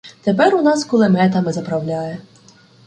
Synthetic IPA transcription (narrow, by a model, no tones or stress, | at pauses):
t̪epɛrʊnɑskɔlˠemɛt̪ɐmɪzɐpɾɐwlʲaje